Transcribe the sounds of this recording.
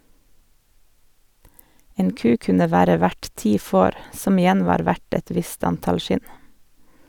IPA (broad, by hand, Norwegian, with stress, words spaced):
ˈeːn ˈkʉː ˈkʉnə ˈʋæːɾə ˈʋæʈ ˈtiː ˈfoːɾ ˈsɔm ɪˈjɛn ˈʋɑːɾ ˈʋæʈ ˈɛt ˈʋɪst ˈɑntɑl ˈʃɪn